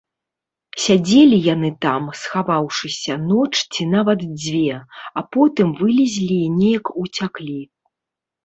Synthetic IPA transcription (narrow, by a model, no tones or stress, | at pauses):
sʲad͡zʲelʲijanɨt̪amsxavawʂɨsʲɐnɔt͡ʂt͡sʲinavɐt̪d͡zʲvʲɛapɔt̪ɨmvɨlʲizʲlʲinʲejɐkut͡sʲaklʲi